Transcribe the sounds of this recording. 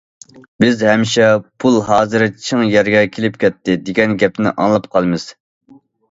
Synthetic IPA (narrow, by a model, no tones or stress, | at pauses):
bɪzhɛmɪʃɛpʰulˠɦɑːzɨɾɨt͡ʃʰəŋjɛɾɡʲɛkʲʰelɪp̚kʲʰɛt̪ʰːɪd̪ɪɡʲɛnɡʲɛp̪̚ɪnɪ̰ʔɑ̰ŋlˠɑpqʰɑlˠɨmɨz̥